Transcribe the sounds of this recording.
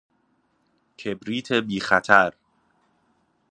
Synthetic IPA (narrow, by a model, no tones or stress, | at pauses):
kʰe̞bɾiːt̪ʰebiːxæt̪ʰæɾ